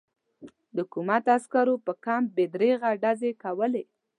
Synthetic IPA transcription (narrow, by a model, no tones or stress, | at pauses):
d̪əhʊkumat̪askaɾopəkambed̪ɾeɣaɖazekawəle